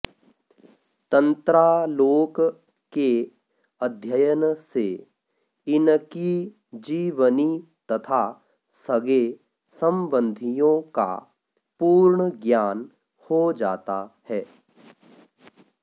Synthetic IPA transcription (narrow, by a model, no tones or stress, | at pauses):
t̪ə̃nt̪ɾaloːk | ke | əd̪ʱjəjənse | ɪnki | d͡ʒiːʋəni | t̪ɐt̪ʰa | səɡe | sə̃mbə̃nd̪ʱijõka̰ | puːɾɳəɡjaːn | hod͡ʒaːt̪ahɛː